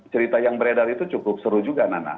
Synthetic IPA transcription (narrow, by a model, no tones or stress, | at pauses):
t͡ʃəɾit̪ajaŋbəɾedarit̪ut͡ʃukʊp̚səɾud͡ʒuɡanana̰